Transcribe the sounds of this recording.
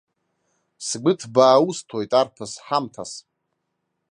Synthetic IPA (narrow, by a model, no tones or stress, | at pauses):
sɡʷɨtʰbaːustʰojtʼarpʰasħamtʰas